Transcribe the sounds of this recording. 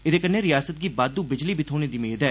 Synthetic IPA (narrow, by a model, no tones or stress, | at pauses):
ɪd̪eːkənːeːɾɪjaːsət̪̚ɡiːbaːd̪uːbɪd͡ʒliːbʱiːt̪ʰoːneːd̪iːmeːd̪ɛː